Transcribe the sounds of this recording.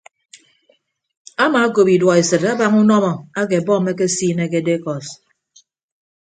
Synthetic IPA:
a˦ma˨˦ko˨pi˨dwɔ˨e˨sɨ˨ta˦ba˦ŋu˦nɔ˦mɔ˨a˦ke˨bɔ˦me˦k̬e˦siː˦ne˦ke˦de˦kɔ˨s

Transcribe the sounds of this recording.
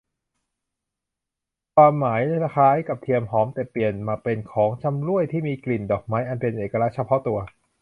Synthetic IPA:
kʰwaː˧mːaː˩˦jsa˧kʰaː˦˥jka˨˩p̚t̪ʰi˧əmɦɔː˩˦mt̪ɛ˨˩pi˨˩ənmaː˧pe˧nkʰɔː˩˦ŋt͡ɕʰa˧mɾu˥˩əjt̪ʰiː˥˩miː˧kli˨˩ndɔː˨˩k̚maː˦˥jʔa˧npe˧nʔeː˨˩kːa˧a˦˥t͡ɕʰa˧pʰɔ˦˥t̪u˧ɐ

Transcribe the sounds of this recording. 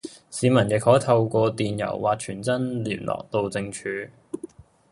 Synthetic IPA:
siː˨˧˥mɐ˨˩njɪ˨k̚hɔː˨˥jt̪ʰɐ˧wkʷɔː˧t̪iː˨njɐ̰˨˩wwaː˨t̚t͡ʃʰyː˨˩nt͡sɐ˥nliː˨˩nlʔɔ̰ː˨k̚t̪o˧wt͡sɪ˧ŋt͡ʃʰyː˨˧

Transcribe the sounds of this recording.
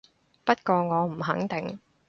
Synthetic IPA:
pɐ˥t̚kɔː˧ŋɔː˨˧m̩˨˩ɦɐ̰˨˥ŋt̪ɪ˨ŋ

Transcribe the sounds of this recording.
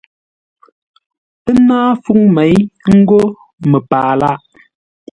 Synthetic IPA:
ə˦naː˦fu˦˨ŋmɛ˨˦jŋ̩˦ɡo˦ | mə˨paː˨la˦ʔ

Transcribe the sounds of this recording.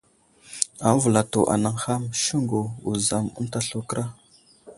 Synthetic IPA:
a˨˦vu˨la˨to˨ʔa̰˨na˨ŋxa˦mʃu˦ŋɡo˨u˨za˨mṵ˦nta˦ɬu˦kə˦ɾa˦

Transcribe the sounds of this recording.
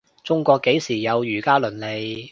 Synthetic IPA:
t͡sʊ˥ŋkʷɔː˧kːe˨˥jsiː˨˩jɐ˨˧wjyː˨˩kaː˥lɵ˨˩nle˨˧j

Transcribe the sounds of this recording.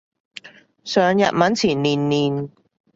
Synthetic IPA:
sœː˨ŋjɐ̰˨t̚mɐ˨˥nt͡sʰiː˨˩nːiː˨˩nːiː˨n

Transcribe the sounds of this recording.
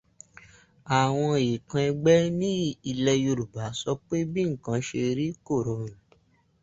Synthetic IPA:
a˨w̃ɔ̃˧e˨kã˧ɛ˧ɡ͡bɛ˦nĩ˦i˧lɛ˧jo˧ɾu˨ba˨˦sɔ˦k͡pe˦bĩ˦ŋ̩˨kã˧˦ʃe˧ɾi˦ko˦˨ɾõ˨

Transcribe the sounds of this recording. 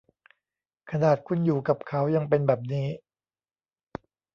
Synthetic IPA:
kʰa˧naː˨˩t̪̚kʰu˧njuː˨˩ka˨˩p̚kʰa˦˥wja˧ŋpe˧nbɛː˨˩p̬̚niː˦˥

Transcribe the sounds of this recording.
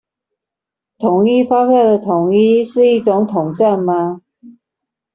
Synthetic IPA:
t̪ʰʊ˨˦ŋi˥fa˥pja˥˩d̪ə˨˩t̪ʰʊ˨˩ŋi˥ʂɻ̩˥˧i˥˩ʈ͡ʂʊ˧˥˦ŋt̪ʰʊ˨˩ŋʈ͡ʂa˥˩nma˨˧

